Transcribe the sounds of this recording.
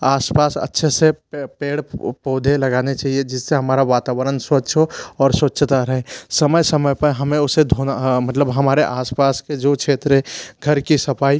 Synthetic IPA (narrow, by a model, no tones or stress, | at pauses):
aːspaːsə̰tːʃʰesepeːɽpoːd̪ʱeləɡaːnet͡ʃaːɦied͡ʒɪsːeɦəmaːɾaʋaːt̪aːʋəɾənswətːt͡ʃʰoɔːɾswətːt͡ʃʰt̪aɾəɦẽsəməjsəməjpəɾɦəmẽʊsed̪ʱonmət̪ləbɦəmaːɾeʔaːspaːsked͡ʒokt͡ʃʰeːt̪ɾeɡʱəɾkisəpʰaːi